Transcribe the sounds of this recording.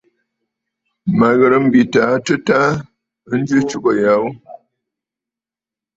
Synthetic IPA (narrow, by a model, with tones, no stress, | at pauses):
ma˨ɣə˨ɾə˨m̩˦bi˨taː˨˦tə˦ta˦ | n̩˦d͡ʒʉ˦t͡ʃu˦bə˨ja˨˦w